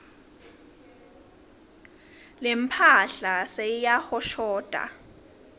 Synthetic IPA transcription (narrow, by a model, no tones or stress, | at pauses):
lempʰaɬasejaxɔʃɔːd̥ʱʼa̰